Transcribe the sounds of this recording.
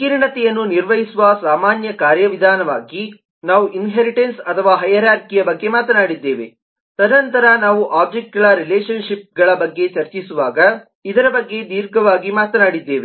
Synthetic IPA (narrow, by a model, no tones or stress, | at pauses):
kiɾɳɐt̪ɛjɐnːuniɾʋɐɦjisuʋɐsaːmaːnjɐkaːɾjɐʋid̪ʱaːnɐʋaːɡi | naːʋuʔinɦeːɾiʈensɐt̪ʰɐʋaːɦɐjɐɾaːɾkijɐbɐɡːe̞maːt̪ɐnaːɽid̪ːe̞ːʋe | t̪ɐnɐnt̪ɐɾɐnaːʋuʔaːb̚d͡ʒek̚ʈ̚ɡɐɭɐɾileːʃɐnʃip̚ɡɐɭɐbɐɡːe̞t͡ʃɐɾt͡ʃisuʋaːɡɐ | id̪ɐɾɐbɐɡːe̞d̪iːɾɡɐʋaːɡimaːt̪ɐnaːɽid̪ːe̞ːʋe